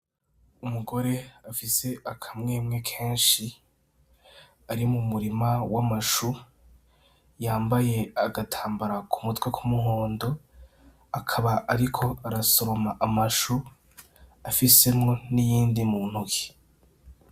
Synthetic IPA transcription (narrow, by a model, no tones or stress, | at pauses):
umuɡo̞ɾe̞afise̞ʔakʰamŋe̞ːmŋe̞kʰe̞ːnʃi | aɾimumuɾimawamaʃu | jaːmbaje̞aɡatʰaːmbaɾakʰumutwekʰumuho̞ːndo̞ | akʰaβaʔaɾikʰo̞aɾaso̞ɾo̞maʔamaʃu | afise̞mŋo̞nijiːndimun̥huki̥